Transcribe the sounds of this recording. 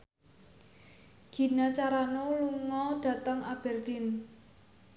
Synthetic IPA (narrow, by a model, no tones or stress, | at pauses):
ɡ̥i̤nat͡ʃaɾanoluŋɔd̥ä̤t̪əŋab̥ɛrd̪̥in